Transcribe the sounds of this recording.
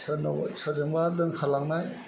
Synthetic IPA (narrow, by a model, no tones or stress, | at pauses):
snsɔzɯŋbadɯŋkʰalaŋnaj